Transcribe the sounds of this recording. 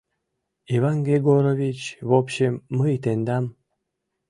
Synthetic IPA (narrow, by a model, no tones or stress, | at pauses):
ivanɡɾeɡoɾovʲit͡ɕβopɕemːəjt̪end̪ɑm